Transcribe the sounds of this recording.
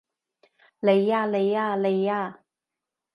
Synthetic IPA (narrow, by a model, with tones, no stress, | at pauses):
le˨˧jaː˥˧le˨˧jaː˧˩le˨˧jaː˥˧˩